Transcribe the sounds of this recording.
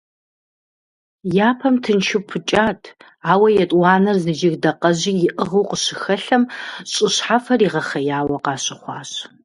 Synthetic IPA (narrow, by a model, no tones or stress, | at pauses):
jaːpʰɐmtʰɨnʃʰɪpʰɨt͡ʃʼaːtʰ | aːwɐjɛtʼwɑːnɐrzɨd͡ʒɪɣdɐqɐʑiːjɪʔəʁɐwqəɕɪxɐɬɐmɕʼɪɕħafɐɾiːʁɐχɐjaːwɐqɑːɕʼɪχʷɑːɕ